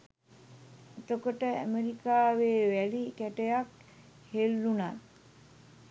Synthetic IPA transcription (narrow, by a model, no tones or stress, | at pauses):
et̪okoʈəæ̰meɾikaːʋeːʋælikæʈejak | helːunat̪